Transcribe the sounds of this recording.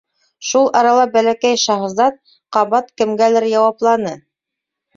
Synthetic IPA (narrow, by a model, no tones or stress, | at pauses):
ʃulˠʔɑɾɑlˠɑbælækæjʃɑχzɑt̪̚ | qɑβɑt̪kɘ̆mɡælɘɾjɑwɑplˠɑnɤ